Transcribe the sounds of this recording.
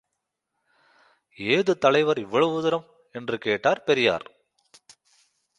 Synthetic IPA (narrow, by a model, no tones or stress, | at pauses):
eːðɯt̪ːɐɭɐɪʋɐɾɪʋːɐɭɐuðɯɾɐm | ɛndrɯkeːʈːaːɾpɛɾɪja̰ːɾ